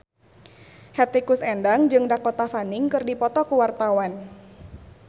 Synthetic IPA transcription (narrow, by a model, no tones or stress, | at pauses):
hɛt̪ikusɛndaŋd͡ʒɨŋdakɔt̪afanɪŋkɨrdipɔt̪ɔkuwart̪awan